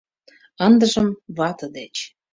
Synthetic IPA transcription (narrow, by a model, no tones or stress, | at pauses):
ɤnd̪ə̆ʒə̆mβɑt̪ɤ̆d̪et͡ɕ